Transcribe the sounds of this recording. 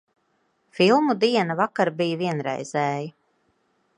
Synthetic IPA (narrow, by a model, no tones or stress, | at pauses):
filˠmud̪iɛnavakaɾbijviɛnɾɛ̰jz̥ɛːji